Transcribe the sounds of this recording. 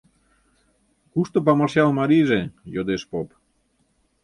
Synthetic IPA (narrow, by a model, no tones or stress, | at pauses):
kust̪op̬amaɾsjalˠmaɾizejod̪espop